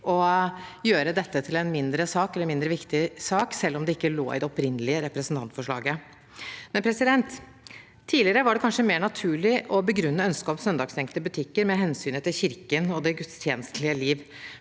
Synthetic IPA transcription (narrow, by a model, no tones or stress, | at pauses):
ʔɔjøːɾəd̪ɛt̪ːət̪ʰɪlɛnmɪnd̪ɾəsɑːkɛlːəɾmɪnd̪ɾəʋɪkt̪ɪsɑːksɛlːɔmd̪ɛɪkːəlo̰ːɪ̰d̪ɛɔpɾɪnːəlɪəɾɛpɾəsn̩t̪ɑnt̪fɔʂɭɑ̰ːɡə | mɛnpʰɾɛsɪd̪ɛnt̪ʰː | iːlɪəɾəʋɑɖɛkʰɑnʂəmeːɳɑt̪ʰʉːɭɪʔɔbəɡɾʉnːəœnskɑːpsœnd̪ɑːɡsɛŋkəlt̪əbʉt̪ʰɪkːəɾmɛɦɛnsyːnət̪ʰɪlçɪɾkənɔd̪ɛɡʉt̪st̪ʰjeːnəst̪lɪəliːʋ